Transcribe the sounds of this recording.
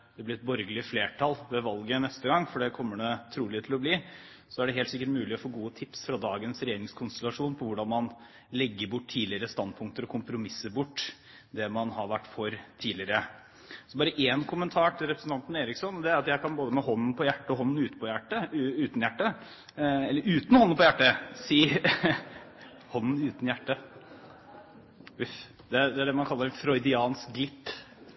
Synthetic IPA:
d̪ɛblɪɾɛt̪bɔɾɡəlɪəfleːʈʰɑlʋɛʋɑlɡənɛst̪əɡɑŋːfɔɖɛkʰɔmːəɖɛt̪ʰɾuːlɪt̪ʰɪlɔbliː | sɔæɖɛɦeːlt̪sɪkːəʈmʉːlɪɔfoːɡuːət̪ʰɪpsfɾɑd̪ɑːɡənsɾɛjeːɾɪŋskʰʊnst̪ɛlɑʂuːnpʰɔʋʊɖɑnmɑn | lɛɡːəɾbʊʈːt̪ʰiːlɪəɾəst̪ɑnd̪̚pʰʊŋk̚t̪əɾɔkʰʊmpɾʊmɪsːəɾbʊʈː | d̪ɛmɑnhɑɾʋæʈːfɔɾt̪ʰiːlɪəɾə | sɔbɑːɾəʔeːnkʰʊmənt̪ʰɑːʈʰɪlɾɛpɾəsn̩t̪ʰɑnt̪n̩eːɾɪksɔnd̪ɛæɾɑt̪jæɪkɑnboːd̪əmɛhɔnːn̩pʰɔjæʈːəɔɦɔn̩ːʉːt̪pʰɔjæʈːəʉːt̪njæʈːə | ɛlːəɾʉːt̪n̩hɔnːnpʰɔjæʈːəsiː | hɔnːn̩ʉːt̪n̩jæʈːə | ʉf | d̪ɛd̪ɛæɖɛmɑnkʰɑlːəɾfɾɔʏd̪ɪɑːnsk̚ɡlɪt̪ː

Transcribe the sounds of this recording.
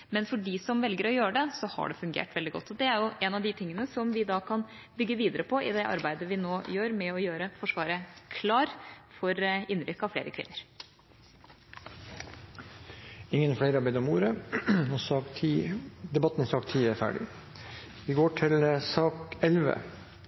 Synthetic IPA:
mɛnfɔɖiːsɔmʋɛlɡəɾɔjøːɾəɖɛsɔhɑ̰ɖɛfʉŋɡḛːʈʋɛld̪ɪɡɔ̰t̪ːɔd̪ɛæɾjʊʔɛnɑʋd̪ɪt̪ʰɪŋːənəsɔmʋɪd̪ɑːkʰɑn | bʏɡːəʋiːd̪əɾəpʰɔʔɪ̰d̪ɛʔɑ̰ɾbæɪd̪əʋɪnoːjøːɾmɛɔjøːɾəfɔʂʋɑːɾəkʰlɑːɾfɔɾɪnːɾɪkːɑʋflḛːɾəkʰʋɪ̰nːəɾ | ɪŋːənfleɪɾɑbɛd̪ɔmuːɾəɔiːd̪ɛbɑt̪ːn̩sɑːkt̪ʰːiːæɾfæ̰ːɖɪ̰ | ʋɪɡoːʈʰɪlsɑːkɛlʋə̰

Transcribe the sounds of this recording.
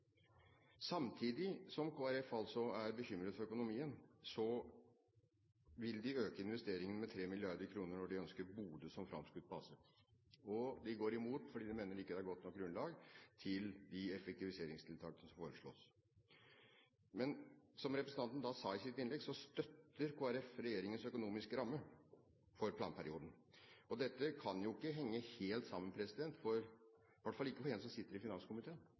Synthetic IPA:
sɑmt̪ʰiːd̪ɪsɔmkʰoːæɾɛfɑlsɔæɾbəçʏmɾəd̪fɔɾœkʊnʊmiːənsɔ | ʋɪld̪ɪøːkəɪnʋɛst̪eːɾɪŋənmɛt̪ʰɾeːmɪlɪɑɾd̪əɾkʰɾuːnəɳɔɖɪœnskəɾbuːd̪əsɔmfɾɑ̰mskʉːt̪̚pʰɑsə | ɔd̪ɪɡoːɾɪmuːt̪fɔɖiːd̪ɪmeːnəɾɪkːəd̪ɛæɾɡɔt̪nɔk̚ɡɾʉnlɑːɡt̪ʰɪld̪ɪɛfɛk̚t̪ɪʋɪseːɾɪŋst̪ʰɪlt̪ʰɑːkən̩ɔmsɑfoːɾəʂɭɔ̰ːs | mɛnsɔmɾɛpɾəsn̩ɑnt̪n̩d̪ɑsɑːɪsɪt̪ɪnlɛɡsɔst̪œt̪ːəɾkʰoːæɾɛfɾɛjeːɾɪŋənsœkʊnuːmɪskəɾɑmːə | fɔɾpʰlɑːnpʰæɾɪuːd̪ən̩ | ɔd̪ɛt̪ːəkʰɑnjʊɪkːəɦɛŋːəheːlt̪sɑmːənm̩pʰɾɛsɪd̪ɛnt̪fɔɾ | ʋæʈfɑlːɪkːəfɔɾɛːnsɔmsɪt̪ːəɾɪfɪnɑnskʊmɪt̪ʰeːn

